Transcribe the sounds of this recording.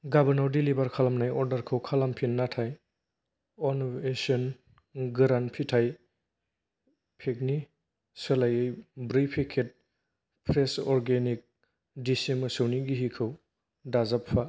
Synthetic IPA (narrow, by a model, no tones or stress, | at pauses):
ɡabɐɾnawdilibaɾkʰalamnajɔɾdaɾkʰɯwkʰalampʰinːatʰaj | ɔnesiɔn | ɡɾanpʰitʰaj | pʰek̚ni | sɯlajɯjbɾipʰikʰet̚ | pʰɾesɔɾɡenik̚ | disimɯsɯwniɡiɦikʰɯw | dazapʰːa